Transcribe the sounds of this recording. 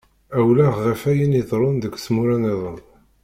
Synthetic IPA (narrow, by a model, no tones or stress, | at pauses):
æwlæʁʁəfæjəniðˤɾˤʊnðəkʷːsmuɾæneðˤən